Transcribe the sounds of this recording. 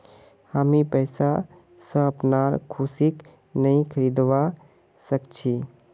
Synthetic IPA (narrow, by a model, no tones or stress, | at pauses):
hamipɛɪsa | sə̃əpnaɾkʰusik | nəĩkʰəɾid̪ʋa | səkt͡ʃʰi